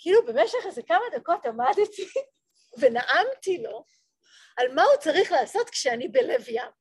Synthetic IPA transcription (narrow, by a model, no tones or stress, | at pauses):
kilube̞meʃeχezekamad̪ako̞tamad̪t̪i | ve̞naʔamt̪ilo̞ | almaut͡saʁiχlaːso̞t̪kʃeanibe̞le̞vjam